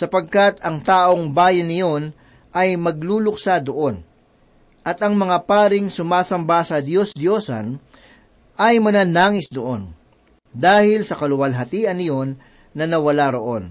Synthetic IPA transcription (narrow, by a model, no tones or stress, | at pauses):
sɐpɐɡ̚kat̪ɐŋt̪aːʔo̞ŋbaːjɐnɪjo̞n | ʔɐjmɐɡ̚luːlʊk̚sad̪oʔo̞n | ʔɐt̪ɐŋmɐŋapaːɾɪŋsʊmaːsɐmbasɐd̪jo̞sd̪jo̞ːsɐ̰n | ʔɐjmɐnanaːŋɪsd̪oʔo̞n | d̪aːhɪlsɐkɐlʊwɐlɦɐt̪iːʔɐnɪjo̞nː | ɐnɐwɐlaɾo̞ʔo̞n